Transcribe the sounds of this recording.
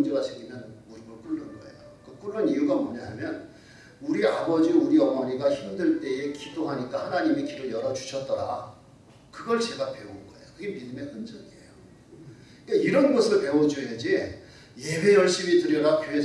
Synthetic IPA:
nd͡ʑeɡat͡ɕeɡimjʌnmuɾibɯɭk͈uɭːɯnɡʌḛjok͈k͈uɭːɯnijuɡamoɲaɦamjʌn | uɾiabʌd͡ʑiuɾiʌmʌɲiɡaçimdeɭt͈e̞e̞kidoɦaɲik͈ahanaɲimekiɾɯɭjʌɾʌd͡ʑuɕʰʌt̚t͈ʌɾa̰ | kɯɡʌɭt͡ɕe̞ɡape̞onɡʌejokɯɡe̞midɯme̞hɯnd͡ʑʌɡiḛjo | ik͈aiɾʌnɡʌsʰɯɭpe̞wʌd͡ʑued͡ʑi | je̞be̞jʌɭɕ͈imitɯɾjʌɾakjoɦe

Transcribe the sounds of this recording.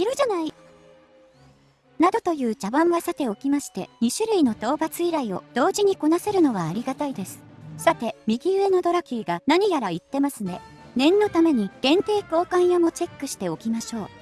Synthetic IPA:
iɾɯ̟ʑanai | nad̪o̞t̪o̞jɯ̟ːt͡ɕabãɰ̃βasat̪e̞o̞kʲimaɕi̥t̪e̞̰ɲ̟iɕɨɾɯ̟ino̞t̪o̞ːbat͡sɨiɾaio̞d̪̥o̞ːʑiɲ̟iko̞nase̞ɾɯ̟no̞β̞aːɾʲiɡat̪aid̪e̞sɨ̥sat̪e̞mʲiɡʲiɯ̟e̞no̞d̪o̞ɾakʲiːɡanaɲ̟ijaɾait̪ːe̞masɨne̞ | nẽ̞nːo̞t̪ame̞ɲ̟iɡ̥ẽ̞nt̪e̞ːko̞ːkãɰ̃jamo̞t͡ɕe̞kːɯ̟ɕi̥t̪e̞o̞kʲimaɕo̞ː

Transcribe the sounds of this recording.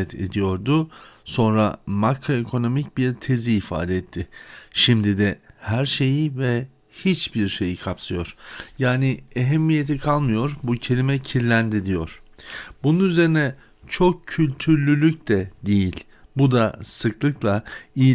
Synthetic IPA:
ɛt̪ʰe̞̰d̪ijo̞ɾd̪ʊso̞nɾa̰makɾo̞ekʰo̞no̞mic̚biɾt̪ʰe̞ziːfa̰ːd̪ɛɛt̪ʰːɪʃimd̪id̪ɛhæɾʃe̞jivɛ | hit͡ʃbiɾʃe̞jikʰapsɯjo̞ɾ̥jaːnieɦɛmːije̞t̪ʰikʰalˠmɯjo̞ɾbucʰe̞lʲimɛcʰiɾlʲænd̪id̪ijo̞̰ɾ̥bununyze̞ɾinɛ | t͡ʃʰo̞k̚cʰːylʲt̪ʰyɾlʲylʲycd̪ɛd̪ejilʲ | bud̪asɯklˠɯklˠaij

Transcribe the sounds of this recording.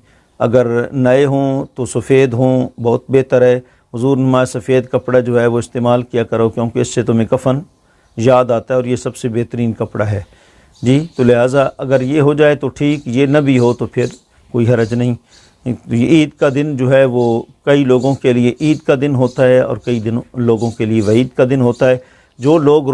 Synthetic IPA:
ɐ̰ɡəɾnɐeɦõːt̪osɐfeːd̪ɦõːbɔːt̪̚beɦt̪əɾɦɛː | ɦʊzuːɾnmaːsɐfeːd̪kɐpɽad͡ʒoːɦɛʋoɪst̪eːmaːlkijakɐɾoːkjõːkeɪsːet̪ʊmẽkɐfən | jaːd̪aːt̪aɦɛɔːɾjesɐbsebeːt̪əɾiːnkɐpɽaɦɛː | d͡ʒiːt̪olɪɦaːzaɐɡəɾjeɦod͡ʒaːet̪oʈʰiːkjenɐbʱiɦot̪opʰɪɾ | koːiɦɐɾəd͡ʒnɐɦĩ | iːd̪kad̪ɪnd͡ʒoːɦɛʋokɐiloːɡõkelieʔiːd̪kad̪ɪnɦoːt̪aɦɛɔ̰ːɾkɐid̪ɪnõloːɡõkelieʋɐiːd̪kad̪ɪnɦoːt̪aɦɛː | d͡ʒoːloːɡ

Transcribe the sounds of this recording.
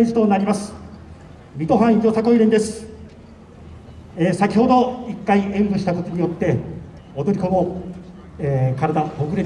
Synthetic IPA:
iʑi̥t̪o̞naɾʲimasɨ̥ | mʲit̪o̞ɦãɰ̃jo̞sako̞iɾend̪e̞sɨ̥ | eːsakʲiho̞d̪o̞ikːaiẽ̞mbɯ̟ɕit̪ako̞t̪o̞ɲ̟ijo̞t̪ːe̞ | od̪o̞ɾʲiko̞mo | ekaɾad̪aoɡɯɾe̞

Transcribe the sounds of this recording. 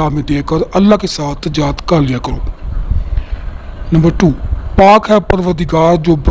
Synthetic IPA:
aːmẽd̪eːkəɾəlːaːkesaːt̪ʰd͡ʒaːt̪kaːlɪjaːkəɾoː | nəmbəɾʈuːpaːkɦɛːpəɾʋəd̪ɪɡaːɾd͡ʒoːb

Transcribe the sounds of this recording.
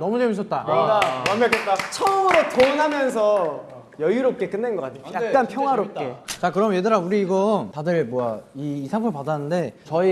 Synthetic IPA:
nʌmud͡ʑemis͈ʌt̚t͈a | ket͡ɕʰʌmɯɾetonɦamjʌns̬ʰʌ | jʌjuɾop̚k͈e̞k͈ɯnːenɡʌk͈atʰejakk͈anpʰjʌŋɦwaɾop͈̚e̞t͡ɕakɯɾʌmjedɯɾauɾiːɡʌntadɯɭmwʌaiːsʰabʰɯɭpadanːɯnde̞t͡ɕʌi

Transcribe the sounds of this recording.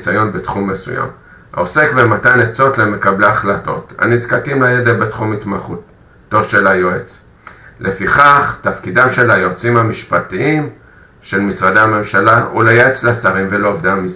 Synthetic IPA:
sajo̞nbetχumːe̞sṵja̰m | a̰ose̞kbematanet͡so̞tle̞me̞kableaχlato̞̰tha̰nizkatimlajedebetχumitmaχutː | oʃe̞lajoet͡s | lʔe̞fiχaχtafkidamʃe̞lajo̞t͡simhamiʃpatiim | ʃe̞lmisʁadeame̞mʃalaʔulajeet͡slasaʁimvelo̞ovdamiz

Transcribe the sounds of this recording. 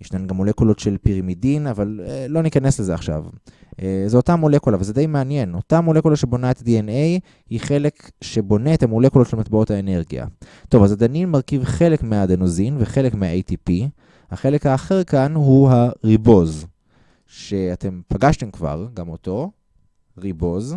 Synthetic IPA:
jiʃnanɡamːo̞le̞kulo̞tʃe̞lpiʁamidinavalelo̞nikane̞sle̞zeaχʃa̰vʔzeotamo̞le̞kulavalzed̪ejmeanje̞no̞tamole̞kulaʃebo̞naetadiene̞j | hiχe̞le̞k | ʃe̞bo̞ne̞ːthamole̞kulo̞tʃelmatbao̞thaene̞ʁɡia̰to̞vazad̪aninmaʁkivχe̞lekmeadanozinveχe̞lekmeaejtipi | haχe̞le̞khaːχe̞ʁkanɦuɦaʁibo̞z | ʃe̞ate̞mpaɡaʃte̞mkva̰ʁɡamo̞to̞ | ʁibo̞z

